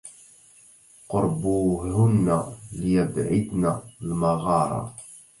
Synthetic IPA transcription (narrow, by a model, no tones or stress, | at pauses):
qʊɾˤbuhʊnːalɪjəbʕɪd̪nalmɑɣɑːɾˤɑ̰